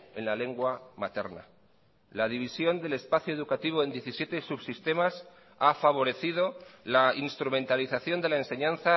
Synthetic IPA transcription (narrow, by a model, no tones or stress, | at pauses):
e̞nlale̞ŋɡwamat̪e̞ɾna̰ | lað̞iβ̞isjo̞nd̪e̞le̞spaθjoðukat̪iβ̞oe̞nje̞θisjet̪e̞suβsist̪e̞mas | afaβ̞o̞ɾe̞θið̞o̞lainst̪ɾumẽ̞nt̪aliθaθjo̞nd̪e̞laense̞ɲãnθa